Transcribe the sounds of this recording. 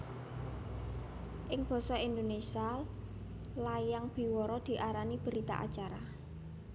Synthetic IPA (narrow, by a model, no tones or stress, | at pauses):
ʔɪŋb̥ɔ̤sɔind̪onesia | lajaŋb̥i̤wɔɾɔd̪̥i̤ʔaɾanib̥əɾit̪a̰ʔa̰t͡ʃaɾa